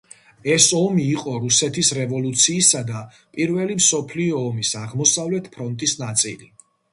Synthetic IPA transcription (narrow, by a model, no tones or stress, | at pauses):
ɛsɔmiːqʼɔɾusɛt̪ʰisɾɛvɔlut̪sʰiːsad̪a | pʼiɾvɛlimsɔpʰliɔːmisaʁmɔsavlɛt̪ʰpʰɾɔnt̪ʼisnat̪sʼḭli